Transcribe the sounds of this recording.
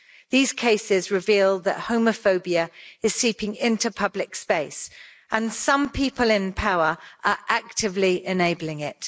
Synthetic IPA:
ðiːz̥kʰeɪsɪzɹɪviːlˠðə̰ʔhəʊ̃məfəʊbiəɪz̥siˑpɪ̃ŋɪ̃ntupʰʌblɪkspeɪs | ə̃nsʌ̃mpʰiˑpʰəlɪ̃npʰaʊəɹʔəɹʔak̚tɪvliɪneɪbəlɪ̃ŋɪt̚

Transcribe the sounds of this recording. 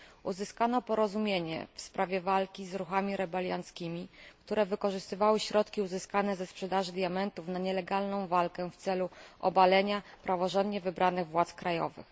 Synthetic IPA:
ʔuzɘskanɔpɔɾɔzumʲjeɲɛ̰fspɾʔavʲjɛvalkʲizɾuxamʲiɾɛbɛlʲja̰nt̪skʲimʲikt̪uɾɛvɘkɔʐɘst̪ɘvawɘɕɾɔt̪kʲiuzɘskanɛzɛspʂɛd̪aʐɘd̪ʲjamɛnt̪ufnaɲɛlɛɡalnɔ̃w̃valkɛft̪sɛluʔɔ̰balɛɲapɾavɔʐɔnd̪ɲɛvɘbɾʔanɘɣvwat̪skɾajɔ̰vɘ̰x

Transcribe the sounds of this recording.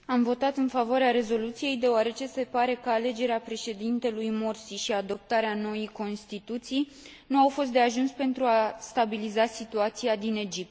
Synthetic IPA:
amvo̞t̪at̪ɨnfavoaɾeaɾe̞zo̞lut̪sije̞jd̪e̞oaɾe̞t͡ʃe̞se̞paɾe̞kəale̞d͡ʒe̞ɾeapɾe̞ʃe̞d̪int̪e̞lujmorsiʃiad̪o̞p̚t̪aɾeano̞ijko̞nst̪it̪ut̪sij | nuawfo̞s̬t̪̚d̪e̞aʒunspe̞nt̪ɾuast̪abilizasit̪uat̪siad̪ine̞d͡ʒip̚t̪

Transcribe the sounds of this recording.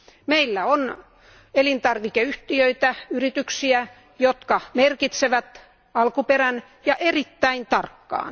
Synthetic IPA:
meilːæon | elint̪ɑrʋikeyht̪iøit̪æyrit̪yksiæ | jot̪kɑmerkit̪seʋæt̪ | ɑlkuperæn | jɑʔerit̪ːæint̪ɑrkːɑ̰ːn

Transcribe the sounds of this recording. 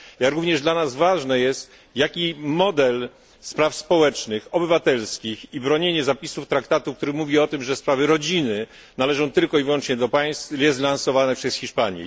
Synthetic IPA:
jaɾuvɲɛʐd̪lanazvaʐnɛjɛst̪ | jakʲimɔd̪ɛl | spɾafspɔwɛt͡ʂnɘxɔbɘvat̪ɛlskʲixibɾɔɲeɲɛzapʲisuft̪ɾakt̪at̪uk̚t̪uɾɘmuvʲiɔt̪ɘmʐɛspɾavɘɾɔd͡ʑinɘ | nalɛʐɔ̃w̃t̪ɘlkɔivwɔnt͡ʂɲɛd̪ɔpaj̃st̪ɛzlansɔvanɛpʂɛsxʲiʂpaɲjɛ̰

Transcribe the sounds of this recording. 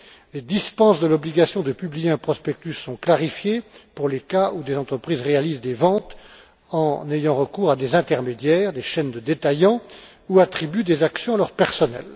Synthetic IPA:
led̪ispɑ̃sd̪əlɔbliɡasjɔ̃d̪əpyblijeɛ̃pχɔspɛk̚t̪ysːɔ̃klaʁifjepuʁlekaʔud̪ezɑ̃t̪χəpχizʁealizd̪evɑ̃t̪ | ɑ̃nejɑ̃ʁəkuʁad̪ezɛ̃t̪ɛʁmed̪jɛʁd̪eʃɛnd̪əd̪et̪ajɑ̃ | uat̪χibyd̪ezaksjɔ̃alœʁpɛʁsɔnɛ̰l

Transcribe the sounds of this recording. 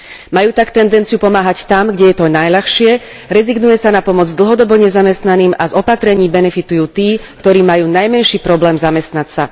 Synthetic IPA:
majuːt̪akt̪ɛnd̪ɛnt͡sijupɔmaːɦact̪amɡɟɛjɛt̪ɔnajʎaxʃɪɛ | ɾɛziɡnujɛsanapɔmɔd͡zd̪l̩ɦɔd̪ɔbɔɲɛzamɛst̪naniːmazɔpat̪ɾɛɲiːbɛnɛfit̪ujuːt̪iːkt̪ɔɾiːmajuːnajmɛnʃiːpɾɔblɛːmzamɛst̪nacsa

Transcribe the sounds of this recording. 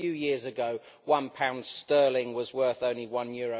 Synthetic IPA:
jʉjɪəzəɡoʊ | wʌ̃npʰãʊ̃nd̥stɜːlɪ̃ŋwɒzwɜˑ˞θõʊ̃nliwʌ̃njɔːɹo

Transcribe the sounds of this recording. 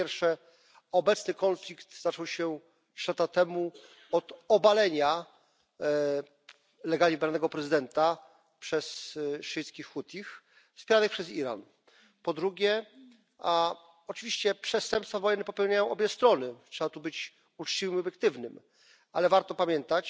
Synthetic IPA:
jɛɾfʂɛ | ɔbɛt̪snɘkɔnflʲikt̪zat͡ʂɔwɕɛ | ʂlat̪at̪ɛmu | ɔd̪ɔbalɛɲa | lɛɡalʲɲibɾanɛɡɔpɾɛzɘd̪ɛnt̪a | pʂɛsʂɘjskʲixːut̪ʲix | fspʲjɛɾanɨxpʂɛziɾa̰n | pɔd̪ɾuɡʲjɛ | a | ɔt͡ʂɨvʲiɕt͡ɕɛpʂɛst̪ɛmpsfavɔjɛnːɛpɔpɛwɲajɔ̃ɔbʲjɛst̪ɾɔnɘtʂɛbat̪ubɘt͡ɕ | ut͡ʂt͡ɕivɘmɔbʲjɛkt̪ɘvnɘm | alɛvaɾt̪ɔpamʲjɛnt̪at͡ɕ

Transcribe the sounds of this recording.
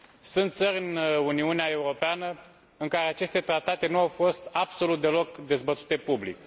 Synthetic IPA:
sunt̪t̪səɾʲɨnuniuneae̞uɾo̞peanə | ɨŋkaɾe̞at͡ʃe̞st̪e̞t̪ɾat̪at̪e̞nuawfo̞st̪abso̞lut̪̚d̪e̞lo̞kd̪e̞zbət̪u̥t̪e̞publḭk

